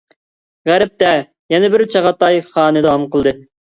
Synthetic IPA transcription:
ʁæɾɪp̚t̪ɛ | jɛnɪbɪɾt͡ʃʰɑʁɑt̪ɑjχɑːnɨd̪ɑwɑmqəlˠd̪ɨ

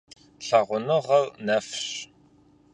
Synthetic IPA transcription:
ɬɐʁʷʊnɨʁɐrnɐfɕ

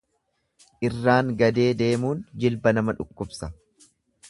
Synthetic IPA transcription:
ʔɪrːaːŋɡɐd̪e̞ːd̪e̞ːmuːnd͡ʒɪlbɐnɐmɐᶑʊkːʊbsɐ

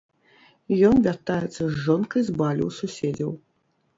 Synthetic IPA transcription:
jɔnvʲart̪ajɛt̪sːɐzʐɔnkɐjzbalʲṵwsusʲed͡zʲɐw

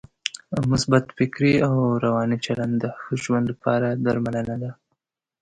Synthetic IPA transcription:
mʊsbat̪fɪkɾiawɾawɑnit͡ʃaland̪d̪əxəʒwand̪lapʰɑɾad̪aɾmalənad̪a

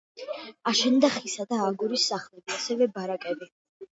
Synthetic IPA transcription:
aʃɛnd̪aχisad̪aːɡuɾisːaχlɛbiasɛvɛbaɾakʼɛbi

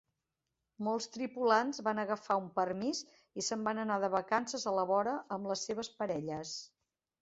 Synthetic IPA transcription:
mɔlˠst̪ɾipulanzβanəɣəfaumpərmiz | isəmbanənaðəβəkansəzələβɔɾəʔəmləsːeβ̞əspəɾɛʎəs

